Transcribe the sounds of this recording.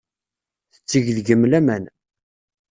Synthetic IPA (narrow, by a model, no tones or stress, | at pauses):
θə̥t͡sːəʝðɡəmːlæmæn